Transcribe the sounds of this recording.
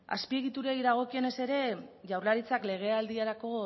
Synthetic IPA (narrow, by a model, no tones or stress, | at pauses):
a̰spie̞ɣit̪uɾejðaɣ̞o̞kie̞ne̞se̞ɾe̞ʝawɾlaɾit͡sakle̞ɣ̞e̞ald̪iaɾako̞